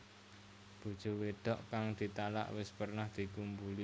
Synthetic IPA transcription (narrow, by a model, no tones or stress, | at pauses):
b̥ṳd̥ʒ̥o̤weɖ̪̥ɔʔkaŋd̪̥i̤t̪ala̰ʔwɪspərnahd̪̥i̤kumbuli